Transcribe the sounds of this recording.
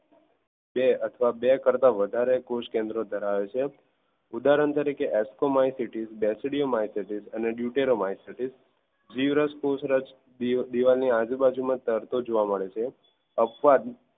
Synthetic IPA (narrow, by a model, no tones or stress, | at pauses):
beət̪ʰəʋabekəɾt̪aʋəd̪ʱaɾekoʃkẽnd̪ɾod̪ʱəɾaʋet͡ʃʰe | ud̪aɾəɳt̪əɾikeʔɛskomajsiʈizbɛsɽiomajsəʈizəneɖjuʈeɾomajsəʈis | d͡ʒiʋɾəskosɾə | d̪iʋalniad͡ʒubad͡ʒumãt̪əɾt̪od͡ʒoʋaməɭet͡ʃʰe | əpʋad̪